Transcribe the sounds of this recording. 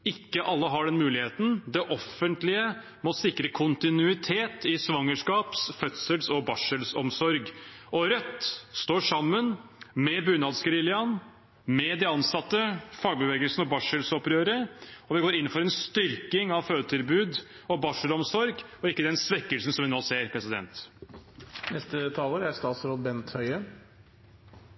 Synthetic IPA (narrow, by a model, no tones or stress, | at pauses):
ɪkːəʔɑlːəɦɑɖɛnmʉːlɪheːt̪n̩d̪ɛʔɔfːənt̪lɪə | mɔsɪkɾəkʰʊnt̪ɪnʉɪt̪ʰeːt̪ɪsʋɑŋːəʂkɑːpsfœt̪səlsɔbɑʂəlsɔmsɔɾɡɔɾœt̪ːst̪oːʂɑmːənmɛbʉːnɑːd̪sɡɾɪljɑn | mɛd̪ɛɑnsɑt̪ːəfɑːɡ̚bəʋɛːɡəlsnɔbɑʂəlsɔpɾøːɾəɔʋɪɡoːɾɪnːn̩fɔɾɛnst̪ʏɾkɪŋɑʋføːd̪ət̪ʰɪlbʉːd̪ | ɔbɑʂəlɔmsɔɾɡɔɪkːəd̪ɛnsʋɛkːəlsn̩sɔmʋɪnoːseːɾpʰɾɛsɪd̪ɛ̰nt̪ | nɛst̪ət̪ʰɑːləɾæɾst̪ɑːt̪sɾoːd̪bɛnt̪hœʏə